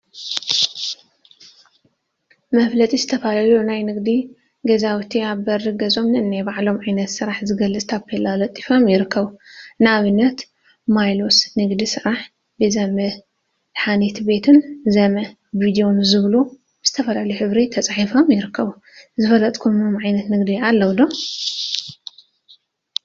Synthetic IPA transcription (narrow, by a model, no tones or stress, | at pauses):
mɐflɐt̪ʼizɨ̥t̪ʰɐfalalunajnɨɡd̪i | ɡɐzawt̪ʰiaβbɐɾɨɡɐzo̞mnɨʔɨnːajbaʕlo̞mʕajnɐt̪sɨɾaħzɨɡɐlːɨt͡sʼt̪ʰaβkʰelalɐt̪ʼːifo̞mjɪɾɨkːɐβunɨaβɨnːɐt̪ | majlo̞snɨɡd̪isɨɾaħ | bɨzɐmɐ | ħanet̪ʰbe̞t̪ʰɨnzɐmɐ | vid̪ijo̞nzɨβlu | z̥ɨt̪ʰɐfɐlaljuħɨβɾit̪ʰɐt͡sʼaħifo̞mjɪɾɨkʰːɐβu | zɨfɐlɐt̪ʼkʰumomʕajnɐt̪nɨɡd̪ialːɐwd̪o